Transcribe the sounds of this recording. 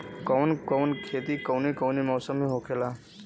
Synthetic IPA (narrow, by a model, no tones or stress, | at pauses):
kɔːnkoːnkʰeːt̪ikəwnekoʊnemɔːsəmːẽɦoːkʰelaː